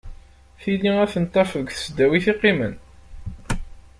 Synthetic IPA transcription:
θiliæθənt̪ˤːɑfəðəɡʷθə̥sd̪ːæwiθiqːimə̰n

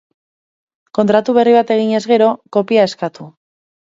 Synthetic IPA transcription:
ko̞nt̪ɾat̪uβ̞e̞riβ̞at̪e̞ɣ̞iɲe̞zɣe̞ɾo̞ko̞piae̞skat̪u

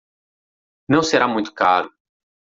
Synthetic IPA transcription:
nɐ̃w̃seɾamũj̃t̪ʊ̥kaɾʊ

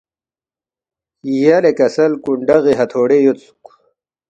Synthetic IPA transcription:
ijɐlekɐsɐlkuɳɖɐɣiɦɐt̪ʰoːɽejot̪t͡su̥k

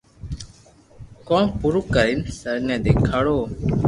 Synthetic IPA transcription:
kõːnpuɾukəɾinsəɾnɛ̃ːd̪eːkʰaːɽoː

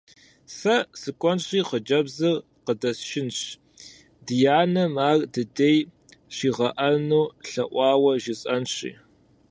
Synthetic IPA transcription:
sɐsɨkʷʼɔnɕʼiːqəd͡ʒɐbzɐr | qədɐsʃɪnɕ | dɨjaːnɐmaːrdɨdej | ɕiːʁɐʔɐnuːɬɐʔʷɑːwɐʒɪɕʼɐnɕḭː

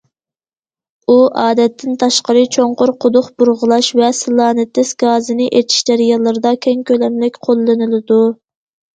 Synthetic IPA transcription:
uʔɑːd̪ɛt̪ʰːɪnt̪ʰɑʃqəɾɨt͡ʃʰoɴqʊɾqʰʊd̪ʊχbuɾʁəlˠɑʃvɛsɨlˠɑːnɨt̪ʰːɪsɡɑːzɨnɪʔet͡ʃ̪ʰi̥ʃd͡ʒæɾijɑlˠːɨɾɨd̪ɑkʲʰɛŋkʲølɛmlɪkʲqʰolˠːɨnɨlɨd̪u

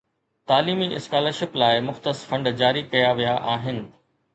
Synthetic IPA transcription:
t̪aːliːmiʔɪskaːləɾʃɪplaːɪmʊxt̪əsfɐ̃ɳɖd͡ʑaːɾikɐjaʋijaʔaːɦɪnɪ̆

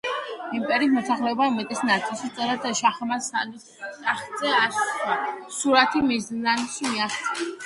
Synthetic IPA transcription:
impʼɛɾiːsmɔsaχlɛɔbamɛt̪ʼisnat̪sʼilˠʃit̪ʼɛɾad̪ʃaχmasan | aχzɛasʰasuɾat̪ʰimiznanʃmiaχt̪ʰɛ

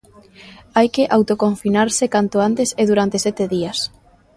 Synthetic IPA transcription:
ajkeʔawt̪okoɱfinaɾsɪkant̪ʊant̪eseðuɾant̪esɛt̪eðiɐs

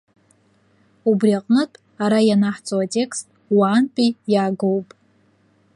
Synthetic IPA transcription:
ubriaqʼnɨtʼ | aɾajanaħt͡sʼowatʼe̞kʰstʼwaːnpʼijaːɡowpʼ

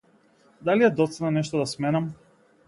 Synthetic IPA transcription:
d̪alijad̪ɔt̪sɛnanɛʃt̪ɔd̪asmɛnam

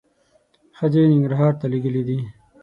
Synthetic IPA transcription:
xəd͡ʒenɪŋɡɾaɦɑːɾt̪aliɡəlid̪i

